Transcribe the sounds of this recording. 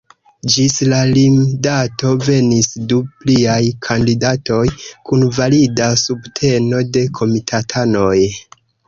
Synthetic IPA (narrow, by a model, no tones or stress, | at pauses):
d͡ʒislalimdato̞ve̞nisdupliajkʰandidato̞jkunvalidasubtʰe̞no̞de̞kʰo̞mitʰatʰano̞j